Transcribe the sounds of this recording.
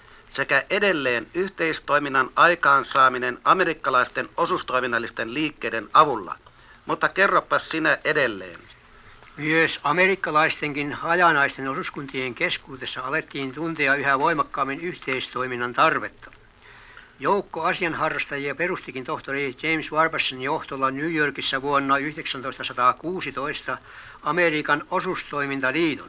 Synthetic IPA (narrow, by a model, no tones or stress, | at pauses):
sekæʔedelːeːnyht̪eist̪oiminːɑnʔɑikɑːnsɑːminenɑmerikːɑlɑist̪enosust̪oiminːɑlːist̪enliːkːeidenɑʋulːɑ̰ | mut̪ːɑkerːopːɑssinæʔedelːḛːn | myøsɑmerikːɑlɑist̪eŋkinhɑjɑnɑist̪enosuskunt̪ieŋkeskuːt̪esːɑɑlet̪ːiːnt̪unt̪eɑyhæʋoimɑkːɑːmːenyht̪eist̪oiminːɑnt̪ɑrʋet̪ːɑ̥ | joukːoɑsiɑnhɑrːɑst̪ɑjiɑperust̪ikint̪oht̪orit͡ʃeimsʋɑrbersːɑnjoht̪olːɑnyːjorkisːæʋuonːɑyhðeksænt̪oist̪ɑsɑt̪ɑːkuːsit̪oist̪ɑ | ɑmeriːkɑnosust̪oimint̪ɑliːt̪o̰n